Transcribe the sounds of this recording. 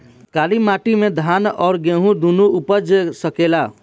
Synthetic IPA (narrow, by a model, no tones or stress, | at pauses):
kaːlimaːʈimẽd̪ʱaːnɔːɾɡẽːɦũd̪unuʊpəd͡ʒsəkela